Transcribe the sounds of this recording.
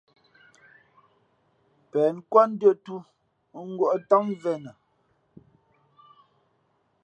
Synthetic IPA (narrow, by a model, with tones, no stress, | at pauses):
pɛː˨nkwɔ˦n̩˦dɰə˦˨tu˦ | ŋ̩˦ɡwɔ˦ʔta˦ŋvɛ˦˨nə˨